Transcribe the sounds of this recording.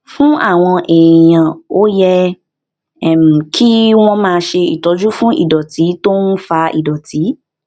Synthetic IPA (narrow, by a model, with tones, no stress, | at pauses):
fũ˦ʔa˦˨w̃ɔ̃˧ʔɛ˨j̃ã˨o˦jɛ˧ | ɛ˨m̩˨kʰi˦w̃ɔ̃˧mãː˦˧˦ʃe˧i˨tɔ˨˦d͡ʒu˦fũ˦ʔḭ˦˨dɔ˨ti˨˦to˦n̩˦fa˧ḭ˨dɔ˨tʰi˨˦